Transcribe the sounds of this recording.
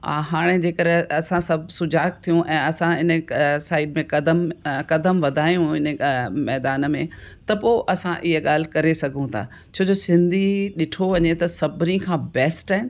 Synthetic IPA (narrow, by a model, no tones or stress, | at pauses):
a̰ːɦaːɽ̃ed͡ʑeːkɐɾɐsãsɐbʱsʊd͡ʑaːkt̪ʰijũʔɛ̃ːɐsãɪnəsaːɪɖmẽkɐd̪əmkɐd̪əmʋɐd̪ʱaːjũɪnəmɛːd̪aːnmẽt̪ɐpoʔɐsãʔɪɦəɠaːl̤ɪkɐɾesɐɡʱũt̪ʰa̰ː | t͡ɕʰoːd͡ʑosɪ̃nd̪ʱiɗɪʈʰoʋɐɲet̪ɐsɐbʱɪnikʰãːbɛːsʈaːɪnɪ